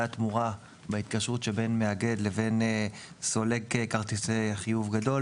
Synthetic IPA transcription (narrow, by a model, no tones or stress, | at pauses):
at̪muʁa | bait̪kaʃʁutʃebe̞nmeaɡe̞d̪le̞ve̞n | so̞le̞kekaʁt̪iseχijuvɡado̞l